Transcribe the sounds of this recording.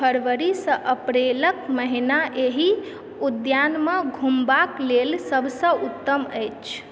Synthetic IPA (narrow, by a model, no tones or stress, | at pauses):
pʰəɾʋəɾisə̃ʔəpɾeləkməɦinaʔeɦi | ud̪janməɡʱumbaklelsəbʱsə̃ʔut̪ːəməjt͡ʃʰ